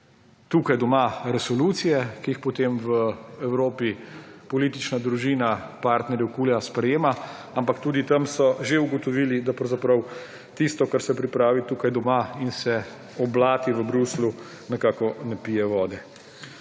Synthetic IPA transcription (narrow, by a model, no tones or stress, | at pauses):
t̪uːkajd̪ɔmaɾɛsɔluːt̪sijɛkiixpɔt̪emʋəɛwɾoːpipɔlit̪it͡ʃnad̪ɾuʒiːnapaːɾt̪nɛɾjɛwkuːljaspɾɛjeːma | ampakt̪uːd̪it̪ɐmsɔʒeuɡɔt̪ɔʋiːlid̪apɾɐwzapɾɐw | t̪ist̪ɔkaɾsɛpɾipɾaːʋit̪ukajd̪ɔmainsɛ | ɔblaːt̪iʋəbɾuslu | nɛkaːkɔnɛpijɛʋɔːd̪ɛ